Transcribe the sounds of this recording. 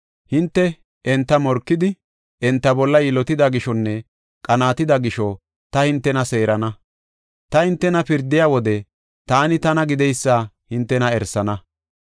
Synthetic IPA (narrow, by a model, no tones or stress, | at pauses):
hɪnt̪ːɛ | ɛnt̪ːɐmɔɾkːɪd̪ɪ | ɛnt̪ːɐbɔlːɐjɪlɔt̪ɪd̪aɡɪʃɔnːɛ | kʼɐnaːt̪ɪd̪ɐɡɪʃɔ | t̪ɐhɪnt̪ːɛnɐse̞ːɾɐnɐ | t̪ɐhɪnt̪ːɛnɐpɪɾd̪ɪjaːwɔd̪ɛ | t̪aːnɪt̪ɐnɐɡɪd̪ɛjsːaː | hɪnt̪ːɛnɐɛɾsːɐnɐ